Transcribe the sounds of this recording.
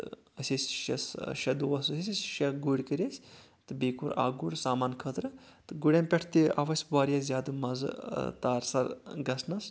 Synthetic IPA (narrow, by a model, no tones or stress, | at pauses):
ɐsʲesʲʃɐ̰sʃɐd̪uːɐs̬ɐsʲisʲisʲʃɐɡuɽʲkəɾʲesʲ | t̪ɨbeːkuɾa̰ːɡuɽʲsaːmaːnkʰət̪ɾɨ | t̪ɨɡuɽʲemʲpʲɐʈʰt̪iɐ̰ʋɐsʲbaːɾʲjazʲaːd̪ɨmɐzɨ̰t̪aːɾsɐɾɡɐsnɐs